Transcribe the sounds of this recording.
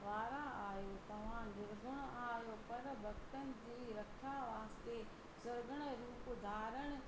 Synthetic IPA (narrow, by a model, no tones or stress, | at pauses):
ʋaːɾaaːɦjot̪ɐʋ̤ãd̪ɪɾzʊɽ̃ʊaːɦijopɐɾbʱɐkt̪ənɪ̆d͡ʑiːɾɐkʰjaʋaːst̪e | sʊɾɡəɽ̃əɾuːpd̪ʱaːɾəɽ̃ʊ̆